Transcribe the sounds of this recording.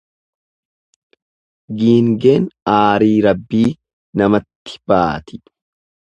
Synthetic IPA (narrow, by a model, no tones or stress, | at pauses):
ɡiːŋɡeːnaːɾiːɾɐbːiː | nɐmɐt̪ːɪ̥b̥aːt̪ɪ̥